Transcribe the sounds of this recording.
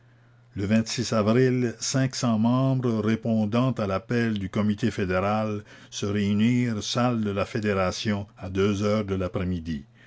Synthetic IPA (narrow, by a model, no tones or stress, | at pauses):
ləvɛ̃t̪sisavʁilsɛ̃ksɑ̃mɑ̃ːbʁəʁepɔ̃d̪ɑ̃t̪alapɛld̪ykɔmit̪efed̪eʁal | səʁeyniːʁsald̪əlafed̪eʁasjɔ̃ad̪øːzœːʁd̪əlapχɛmid̪i